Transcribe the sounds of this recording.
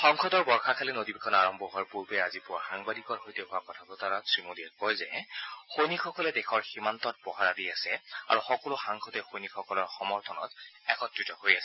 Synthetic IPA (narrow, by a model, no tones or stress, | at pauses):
xɔŋkʰɔdɔɹbɔɹxakʰalɛnodibikʰɔnaɹɔmbʱɔɦɔɹpuɹbɛazipʊwaxaŋbadikɔɹxojtɛɦʊakɔtʰakɔtaɹasɹimudiɛkɔjzɛxojnikʰɔkɔlɛdɛxʰɔɹximantɔt̚bɔɦaɹadiasɛa̰ɹuxɔkɔlʊxaŋkʰɔtɛxojnikʰɔkɔlɔɹxɔmɔɹtʰɔnɔ̰tɛkɔtɹitɔhojasɛ